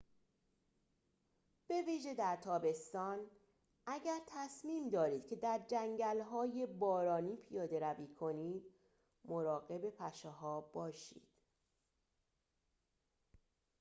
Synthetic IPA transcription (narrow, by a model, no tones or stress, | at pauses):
b̥e̞viːʒe̞d̪æɾt̪ʰɒːbe̞st̪ɒːn | ʔæɟæɾt̪ʰæsmiːmd̪ɒːɾiːd̪̚cʰe̞d̪æɾd͡ʒæŋɟælɦɒːje̞bɒːɾɒːniːpʰijɒːd̪e̞ɾæviːkʰo̞niːd̪ | moɾɒːɣe̞be̞pʰæʃeɦɒːbɒːʃḭːd̪̥